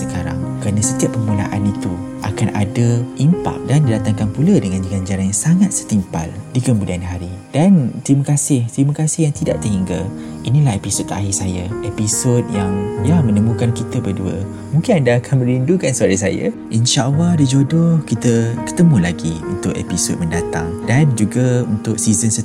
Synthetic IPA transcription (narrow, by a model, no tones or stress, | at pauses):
səkaɾa̰ŋkəɾanə̃sət̪iapːəmula̰ʔanit̪u | ʔa̰kana̰dəʔimpa̰k̚dandidat̪aŋkaŋpuladəŋãndiɡand͡ʒaɾanjaŋsaŋat̪̚sə̥t̪impa̰ldikəmbudaanɦaɾid̥ant̪ɾimakasɪht̪ɾimakasɪhjaŋt̪idaʔt̪əɦiŋɡə | inĩlaɦepisot̪̚ːa̰ɦisajaʔepisot̪̚jaŋjamə̃nəmũkankit̪əbəduə̰ | mũŋkɪnandaːkʰanmə̃ɾindukansəaɾas̬a̰jə̰ʔinʃaʔalahdid͡ʒodʊhkit̪əkə̥t̪əmũlaɡiunt̪ʊʔḛpiso̰t̪̚məndat̪aŋdand͡ʒuɡaunt̪ʊk̚sizənsə